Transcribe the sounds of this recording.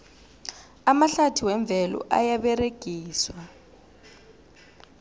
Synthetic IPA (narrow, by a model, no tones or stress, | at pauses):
amaɬatʰiwɛɱb̪vʱɛlɔ̰ʔa̰jaɓɛreɡ̥ʱiːswa